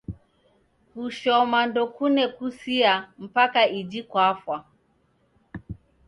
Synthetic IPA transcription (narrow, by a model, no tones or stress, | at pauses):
kuʃɔmandɔkunɛkusiam̩pakaid͡ʒikwafwa